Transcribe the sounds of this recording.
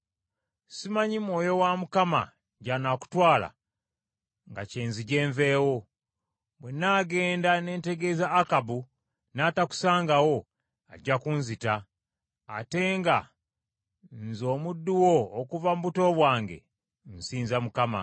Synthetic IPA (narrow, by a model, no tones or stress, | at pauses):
simaɲimwo̞ːjo̞wamukama̰ | ɟanaku̥twaːla̰ | ŋɡa̰ce̞ːnziɟe̞ːɱve̞ːwo̞ | bwenaɡe̞ːndane̞ːnte̞ɡe̞zaːkabu | naːtaku̥saːŋɡawo̞ | a̰ɟːakunzita̰ː | te̞ŋɡa | nzo̞ːmudːuwo̞ːkuvamuβuto̞βwaːŋɡe̞̰ | n̩siːnzamukama̰